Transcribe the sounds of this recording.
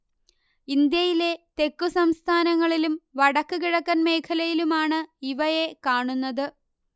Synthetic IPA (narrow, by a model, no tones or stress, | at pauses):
ind̪jɐjile̞t̪e̞kːusɐmst̪ʰaːnɐŋːɐɭilumʋɐɽɐkːɨkiɻɐkːɐnme̞ːkʰɐlɐjilumaːɳɨiʋɐje̞kaːɳunːɐðɨ